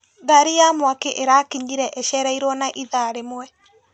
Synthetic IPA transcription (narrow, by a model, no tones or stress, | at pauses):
ɡaɾijamwakeʔeɾakiɲiɾɛʔɛʃɛɾaiɾwɔnaʔiðaɾemwɛ